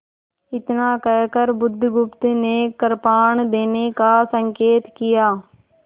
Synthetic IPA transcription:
ɪt̪nakəkəɾbʊd̪ʱɡʊpt̪neːkəɾpaːɳd̪eːnekasəŋkeːt̪kɪjaː

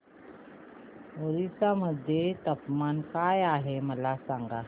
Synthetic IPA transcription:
əɾisaməd̪ʱːjet̪əpmankajaɦeməlasaŋɡa

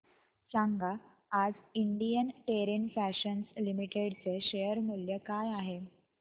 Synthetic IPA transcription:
saŋɡaː | d͡ziɳɖijənʈeɾinfæɕənslimiʈeɽt͡seɕejəɾmuljəkajaɦe

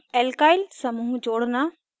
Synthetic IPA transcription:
elkaːɪlsɐmuɦũd͡ʑoːɽna

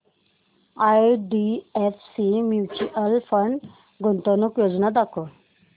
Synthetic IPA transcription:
aiɖiefsimjut͡ɕuʔəlfəɳɖ | ɡʱont̪onukjod͡znad̪akʰo

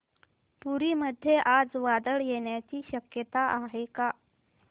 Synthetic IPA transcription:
puɾiməd̪ʱjeʔad͡zʋad̪əɭjeɳjat͡ɕiːɕəkjət̪aʔaɦeka

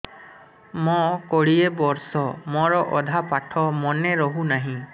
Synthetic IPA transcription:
mɔ̃kɔɽiebɔɾsɔmɔɹɔʔɔd̪ʱapaʈʰɔmɔneɾɔɦunaɦĩ

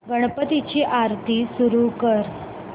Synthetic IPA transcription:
ɡəɽ̃pət̪it͡ɕiːʔaɾt̪ʰiːsuɾukəɾ

